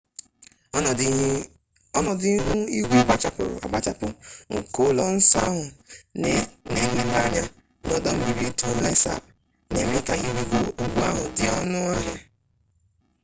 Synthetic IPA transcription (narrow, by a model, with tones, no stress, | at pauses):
ɔ˦nɔ˨dɪ˦ɦʊ˦i˦ɡʷe˨ɡ͡ba˨t͡ʃa˨pʊ̰˨ɾʊ̰˨a̰˨ɡ͡ba˨t͡ʃa˦pʊ˦ŋ̩˨ko˨lɔ˨n̩˦sa̰˦ɦʊ˨ | ne˦˨li˨la˦ɲa˦ | nɔ˦dɔ˦m̩˦mi˨ɾi˨˦tu˦e˦sa̰˨ | ne˨mi˦ka˦ɣi˨ɾi˨ɡo˨o˨ɡ͡bu˦a˦ɦʊ˨dɪ˦ɔ˦nʊ˦a˦ɲa˨